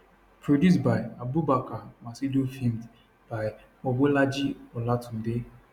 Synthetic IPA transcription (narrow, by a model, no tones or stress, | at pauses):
pɾodjus̬baɪabubakamasidofind | b̥aɪ | moɡ͡belad͡ʒiɔlatʊn̩de